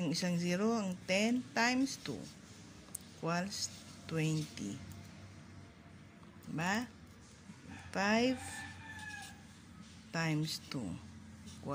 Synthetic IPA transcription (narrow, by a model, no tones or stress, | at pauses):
ŋisaŋziɾoaŋt̪ɛnt̪ajmst̪ṵ | kwalst̪wɛnt̪ḭ | ba | fajv | t̪ajmst̪ṵkwa